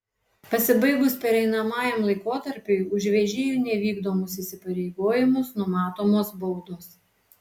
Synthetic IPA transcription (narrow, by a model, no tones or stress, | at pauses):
pɐsʲɪbɐɪɡʊspʲɛɾɛɪnɐmɑːjɛmlˠɐɪkoːt̪ɐɾʲpʲeɪʊʒʲʋʲɛʒʲɪːjuˑnʲɛʋʲiːɡd̪oːmʊsisʲɪpɐɾʲɛɪɡoːjɪmʊsnʊmɑːt̪oːmoːsbɔʊd̪oːs